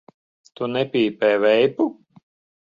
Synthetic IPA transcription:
t̪unɛpʲiːpɛːvɛjpu

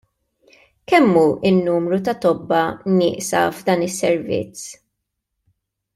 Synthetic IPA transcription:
kɛmːuʔɪnːuːmɾut̪ɐt̪ɔbːɐnɪ̰ːʔsɐ̰vd̪ɐːnɪsːɛɾvɪ̰t͡s

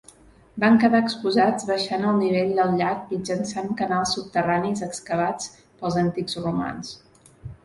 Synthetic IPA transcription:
baŋkəðaəkspuzad͡zβəʃanəlˠniβeʎd̪əlˠʎak̚mid͡ʒənsaŋkənalˠsːup̚t̪əranizəkskəβ̞at͡s | pəlˠzənt̪ikzruma̰ns

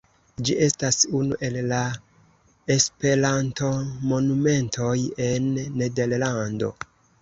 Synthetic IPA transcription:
d͡ʒiʔe̞stasunṵʔe̞lːa | e̞spe̞ɾanto̞mo̞nume̞ntʰo̞je̞nːe̞de̞ɾlando̞̰

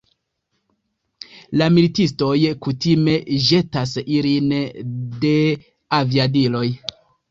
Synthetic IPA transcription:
lamilitisto̞jkutime̞ʒe̞tasilinde̞ | aviadilo̞j

